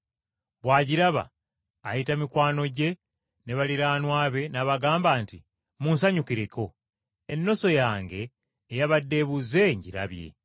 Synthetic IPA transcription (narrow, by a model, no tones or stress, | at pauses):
βwaːɟiɾaβa̰ː | jitamikwaːno̞ɟe̞ | ne̞βaliɾaːnwaːβe̞naβaɡaːmbaːnti | muːnsaɲukiɾeko̞ | enːo̞so̞jaːŋɡe̞ː | jaβadːe̞βuze̞ɲɟḭɾa̰βje̞̰